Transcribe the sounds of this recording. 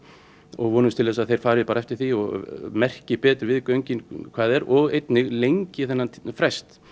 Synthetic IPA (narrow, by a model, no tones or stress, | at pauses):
ɔɣvɔːnʏst̪ʰɪlɛːs̬aðθejɾ̥faːɾɪpaːɾaɛft̪ɪ̥ɾ̥θiɔɣmɛr̥cɪpɛːt̪ɾʏvɪðkœɥɲcɪnkʰv̥aːðɛɾɔɣejt̪nɪɣlejɲcɪθɛnːanfɾɛst̪